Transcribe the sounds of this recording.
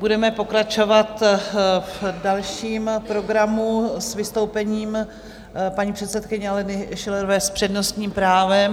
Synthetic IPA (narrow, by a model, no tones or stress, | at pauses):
budɛmɛpo̞kɾat͡ʃo̞vat̪fdalʃiːmpɾo̞ɡɾamusvɪst̪o̞wpɛɲiːm | paɲiːpr̥ɛt̪sɛt̪kɪɲɛalɛnɪʃɪlɛɾovɛːspr̥ɛdno̞st̪ɲiːmpɾaːvɛm